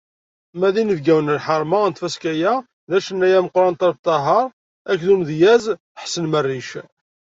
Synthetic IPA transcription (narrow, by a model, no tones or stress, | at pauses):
mæðinəvɡæwənəlħəɾˤmɑnt̪fæskæjæ | ðæʃənːæjæməqːɾˤɑnt̪ˤɑɾt̪ˤːɑɦɑɾˤ | ækðumðjæz | əħsənmərːiʃ